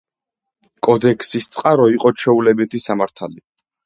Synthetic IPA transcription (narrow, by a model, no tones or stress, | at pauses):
kʼɔd̪ɛkʰsist̪sʼqʼaɾɔiqʼɔt͡ʃʰɛulɛbit̪ʰisamaɾt̪ʰali